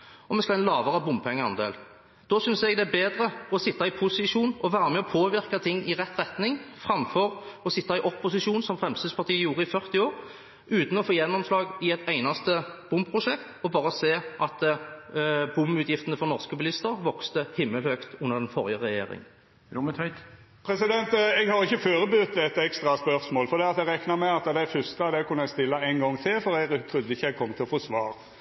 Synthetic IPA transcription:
ɔmɛskɑlɛnlɑːʋəʁəbʊmpʰɛŋːəɑ̰nd̪ḛːl | d̪̥oːsʏnsɛɡd̪ɛæbeːd̪ʁəɔsɪt̪ːɑɪpʰʊsɪʂuːnɔʋæːɾəmɛɔpʰoːʋɪʁkɑt̪ʰɪŋːɪʁɛt̪ːʁɛt̪nɪŋfʁɑmfɔʁɔsɪt̪ːɑɪʔɔpːʊsɪʃuːnsɔmfɾɛmst̪ɪːspɑʁt̪iːəjuːʁəɪfœʁt̪ɪoːɾ | ʉːt̪n̩ɔfoːjɛnːɔmslɑːɡɪɛt̪æɪnɑst̪əb̥ʊmpʰʁʊʂɛkt̪ɔbɑːɾəseːʔɑt̪ | bʊmʉːt̪ʰjɪft̪ənəfɔʁnɔʁskəbɪlɪst̪əʁʋɔkst̪əhɪmːəlhøːkt̪ʉnːəʁɛnfɔɾjəʁɛjḛːɾɪ̰ŋ | mət̪ɛɪt̪ | pʰɾɛsɪd̪ɛnt̪ɛɡhɑɾɪçːəføːɾəbʉt̪d̪ɛt̪ːɛkst̪ɾɑspœɾsmoːlfɔɾd̪iːɑt̪ɛɡɾɛknɑmɛɑt̪d̪æfʏst̪əɑd̪ɛkʰʉnəɛɪst̪ɪlːəæɪnɡɔŋːt̪ʰɪlfɔɾɛɡt̪ʰɾʉd̪ːəɪçːəɛɡ̚kʰɔmːt̪ʰɪlfɔsʋɑːɾ

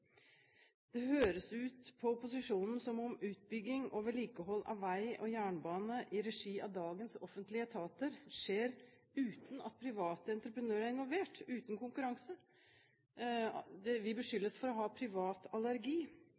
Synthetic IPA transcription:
d̪̥ɛɦøːɾəsʉːt̪pʰɔʊpʊsɪʂuːnn̩sɔmɔmʉːt̪̚bʏɡːɪŋʔoːʋəɭiːkəɦɔlːʔɑ̰ʋʋæɪɔjæːɳbɑːnəʔɪɾɛʂiːɑʋd̪ɑːɡənsɔfənt̪lɪət̪ʰɑːt̪əɾʂeːɾ | ʉːt̪n̩ɑ̰t̪̚pʰɾɪʋɑːt̪əɛnt̪ɾəpɾənøːɾæɾɪnʋɔlʋeːʈʉːt̪n̩kʰʊŋkʉɾɑŋsə | d̪ɛʋɪbəʂʏlːəsfɔɾɔɦɑːpʰɾɪʋɑːt̪ɑlæɾɡiː

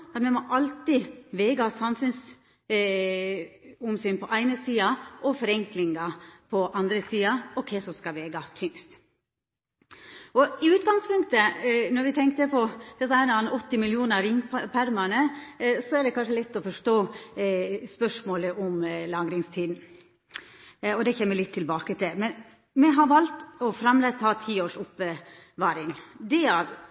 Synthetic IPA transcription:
ɑt̪mɛmɔʔɑlt̪ɪʋeːɡɑsɑmfʉns | ʊmsyːnpʰɔʔæɪnəsiːɑʔɔfɔɾɛŋklɪŋɑpʰɔʔɑnd̪ɾəsiːɑɔkʰɛɪsɔmskɑʋeːɡɑt̪ʰʏŋst̪ | ɔɪʉːt̪̚ɡɑŋspʉŋkt̪ənɔɾʋɪt̪ʰɛŋk̚t̪əpʰɔd̪̥ɛsɑæɾnɑnɔt̪ːɪmɪljuːnəɾɪŋːpʰæɾmɑnəsɔɛɖ̪ɛkʰɑnʂəlɛt̪ːɔfɔʂʈoː | spœʂmoːləʔɔmlɑŋɡɾɪŋst̪ʰiːd̪n̩ | ɔd̪ɛçɛmːəlɪt̪ʰːɪlbɑːkət̪ʰɪlmɛn | mɛɦɑɾʋɑlt̪ɔfɾɑmleːshɑːt̪ʰiːoːʂʊpːə | ʋɑːɾɪŋd̪ɛɑʋ

